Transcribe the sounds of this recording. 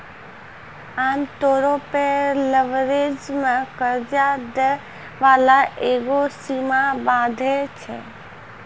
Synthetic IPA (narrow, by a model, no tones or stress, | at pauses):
aːmt̪oɾopeləʋɾed͡ʒmẽkəɾd͡ʒad̪ə | ʋaːlaʔeɡosimabaːd̪ʱɛt͡ʃʰɛ̰